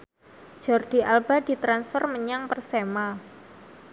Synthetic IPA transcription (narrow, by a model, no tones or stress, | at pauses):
d͡ʒ̥ɔrd̥i̤ʔalbad̥it̪ɾansfərməɲaŋpərsema